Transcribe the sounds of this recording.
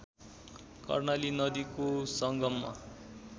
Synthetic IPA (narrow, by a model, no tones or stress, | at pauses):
kʌ̰rnalinʌd̪ikosʌŋɡʌmːa̰